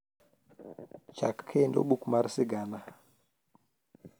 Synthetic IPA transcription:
t͡ʃakʰːendo̰ɓukmaɾsiɡana

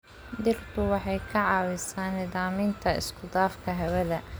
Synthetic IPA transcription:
d̪ɪrt̪ʰʊwɑħɑjkʰɐʕɑːwɪsaːnɪðaːmɪnt̪ʰɐɪ̰skʰʊd̪aːfkʰɐɦɛwɐðɐ

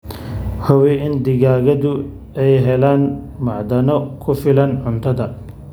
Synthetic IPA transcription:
hɔwɛɪnd̪ɪɣaːɣɐðʊ | ɛjɦɛlaːn | mɐʕd̪ɐnɔkʰʊfɪlɐnʕʊnt̪ʰɐðɐ

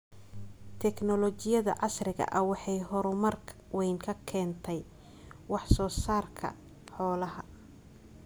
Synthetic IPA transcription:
t̪ʰɛknɔlɔt͡ʃɪjɐðɐ̰ʕɑsrɪɣɐ̰ʔɐwɑħɑjɦɔɾʊmɐrkʰ | wɛjŋkʰɐkʰɛːnt̪ʰɛj | wɑħsɔːsaːrkʰɐ̰ | ħɔːlɐɦɐ

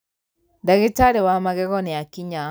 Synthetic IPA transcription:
daɣitaɾiwamaɣɛɣɔnɛakiɲa

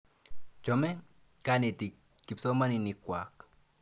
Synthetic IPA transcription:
t͡ʃome | kanit̪iː | ipsomaninikʷak

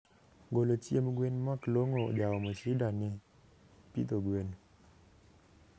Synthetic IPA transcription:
ɡolotiemɡwenmakloŋo̰dawɔmosidanɪ | pḭt̪oɡwen

